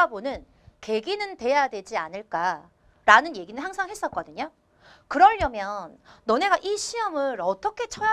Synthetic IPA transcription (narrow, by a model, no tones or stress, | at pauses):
abonɯn | ke̞ɡinɯntwe̞jadwe̞d͡ʑianɯɭk͈a | ɾanɯnje̞ɡinɯnɦaŋsʰaŋɦe̞s͈ʌt̚k͈ʌdɯɲo | kɯɾʌɭːʌmjʌnːʌne̞ɡaʔiɕʰiʌmɯɾʌt͈ʌkʰe̞t͡ɕʰʌja